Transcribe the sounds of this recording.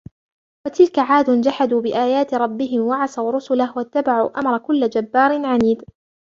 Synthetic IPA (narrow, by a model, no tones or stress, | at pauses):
wat̪ɪlkaʕaːd̪ʊnd͡ʒaħad̪uːbɪʔaːjaːt̪ɪɾˤɑbːɪɦɪmwaʕasawɾʊsʊlahwat̪ːabaʕṵʔamɾˤɑkʊlːad͡ʒabːɑːɾɪnʕaniːd̪